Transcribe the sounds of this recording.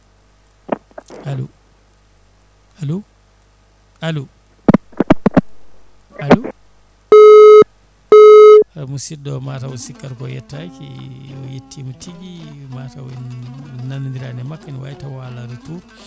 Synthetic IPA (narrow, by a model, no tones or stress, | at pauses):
alu | alu | alu | alu | amusidɔmatawusikːaɾkɔjɛ̰tːakiɔ̰jetʰːimutʰiɡi | matawɛnnanndiɾanɛmakːaniwa̰jitawaladutu